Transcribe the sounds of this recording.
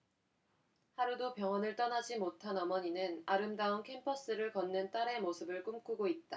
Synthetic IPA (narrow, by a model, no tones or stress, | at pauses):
haɾudopjʌŋʌnɯɭt͈ʌnad͡ʑimotʰanʌmʌɲinɯnaɾɯmdaunkʰe̞mpʰʌs͈ɯɾɯɭkʌnːɯnt͈aɾe̞mosʰɯbɯɭk͈umk͈uɡoit̚t͈a